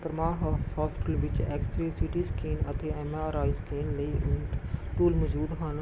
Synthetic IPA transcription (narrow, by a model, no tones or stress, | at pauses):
pəɾmaːɦshɔːsʈəlʋɪt͡ʃɛːksɾeːsiʈiːskeːnət̪eːɛmaəɾaːɪskeːnləiːʔɪʈuːlməd͡ʒuːd̪ɦaːn